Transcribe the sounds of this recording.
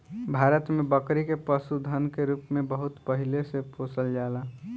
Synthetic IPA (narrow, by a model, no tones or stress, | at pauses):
bʱaːɾət̪mẽbəkɾikepəsud̪ʱənkeɾuːpmẽbəɦʊt̪pəɦɪlesepoːsəld͡ʒaːla